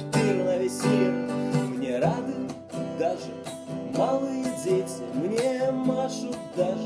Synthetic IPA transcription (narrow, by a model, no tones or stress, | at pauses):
piɾɨnɐvʲɪsʲilʲɪmnʲeɾad̪ɨ | d̪aʐɨ | malˠɨjədʲejt̪səmnʲemaʂut̪d̪aʐ